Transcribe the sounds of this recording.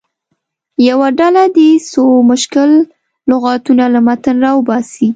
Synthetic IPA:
jawaɖalad̪esomʊʃkɪlː | ʊɣɑt̪unalamat̪ənɾɑwəbɑsi

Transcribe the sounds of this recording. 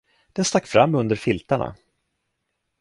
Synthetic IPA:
d̪̥ɛnst̪akːfɾamːɵnd̪əɾfɪlt̪aɳa̰

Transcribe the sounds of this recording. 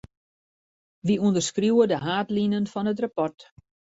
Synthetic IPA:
ʋiundərskruwədəɦaːtlinənfɔnət̬rapɔrt

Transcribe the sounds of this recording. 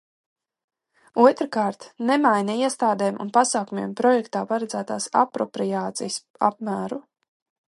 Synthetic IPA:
uɔt̪ɾkaːɾt̪nemajnɛiɛst̪aːd̪ɛːmʔṵnpasaːkumʲḭɛmpɾɔjɛkt̪aːpaɾad̪zæːt̪aːsa̰pɾɔpɾijaːt̪sḭjs | a̰pmæːɾu

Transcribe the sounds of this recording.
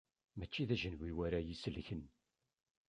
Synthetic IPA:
mæt͡ʃːiðæʒənwiwæɾajisəlçən

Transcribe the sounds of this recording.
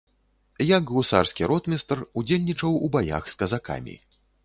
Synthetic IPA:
jaɡlˠusarskʲiɾɔt̪mʲɛst̪rud͡zʲelʲnʲit͡ʂɐwubaja̰xskɐzaka̰mʲḭ

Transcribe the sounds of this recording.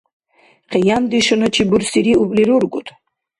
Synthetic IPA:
qʰɛjand̪iʃɔnɔt͡ʃʰibuɾsiɾiupʼliɾuɾɡut̪ʰʼ

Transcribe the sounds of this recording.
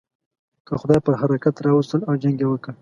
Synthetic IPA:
kəxʊd̪ɑjpəɾɦaɾakat̪ɾɑwust̪əlawd͡ʒaŋɡewəkə

